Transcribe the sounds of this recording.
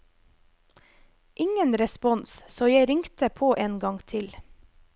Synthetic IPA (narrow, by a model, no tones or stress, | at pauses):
ʔɪŋənɾɛspɔnssoːjæɪɾɪŋkt̪əpʰoːʔeːnɡɑŋt̪ʰɪl